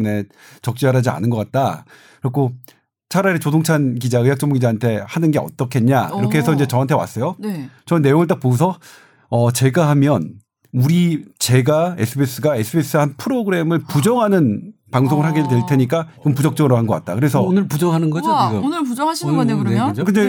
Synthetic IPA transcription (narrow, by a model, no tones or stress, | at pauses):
ne | t͡ɕʌk̚t͡ɕ͈iaɾad͡ʑia̰nɯnɡʌk͈at̚t͈a | ɯɾʌkʰo | t͡ɕʰaɾaɾet͡ɕos̬ʰoŋt͡ɕʰankid͡ʑaɯjak͈̚ʌŋmuɡid͡ʑaɦantʰe̞hanɯnɡe̞ʌ̰t͈ʌkʰenɲaiɾʌkʰe̞ɦesʰʌind͡ʑe̞t͡ɕʌɦantʰe̞wa̰s͈ʌjont͡ɕʌnɯnːe̞joŋɯɭt̬͈ak̚poɡusʰʌ | ʌt͡ɕe̞ɡaɦamjʌn | uɾit͡ɕe̞ɡae̞sʰɯbes͈ʰɯɡae̞sʰɯbes͈ʰɯhanpʰɯɾoɡɯɾe̞mɯɭpud͡ʑʌŋɦanɯnpaŋs̬ʰoŋɯɭɦaɡidweɭtʰe̞ɲik͈aiɡʌnpud͡ʑʌk̚t͡ɕ͈ʌɡɯɾoɦanɡʌk͈at̚t͈akɯɾesʰʌonɯɭpud͡ʑʌŋɦanɯnɡʌd͡ʑoiɡaonɯɭpud͡ʑʌŋɦaɕʰiʌnekɾneokɯnde